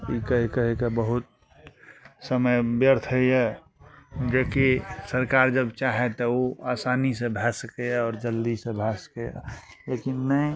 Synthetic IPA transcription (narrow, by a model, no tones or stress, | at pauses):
ikəɦekəɦekebəɦʊt̪̚ | səməjbjəɾt̪ʰəiɛ | d͡ʒekisəɾkaːɾd͡ʒəbt͡ʃaɦet̪ɔoa̰ːsaːnisẽbʱɛsəkeɛɔːɾd͡ʒəld̪isẽbʱɛsə̥keɛ̰ | lekinnəĩ